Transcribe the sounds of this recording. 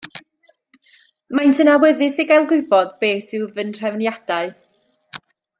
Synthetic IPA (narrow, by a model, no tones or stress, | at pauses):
majntʰənawɛðɪsiɡajlˠɡʊɨbɔðbeːθɪwvənr̥ɛvnjad̥aɨ